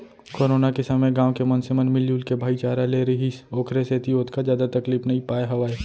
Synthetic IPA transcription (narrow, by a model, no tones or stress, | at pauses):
koːɾoːnakesɐməjɡãːʋkemɐnsemɐnmɪljuːlkebʱaːit͡ʃaːɾaleːɾɐɦisoːkʰɾeset̪ioːt̪kazjaːd̪at̪ɐkliːpnɐĩpaːeɦɐʋaːe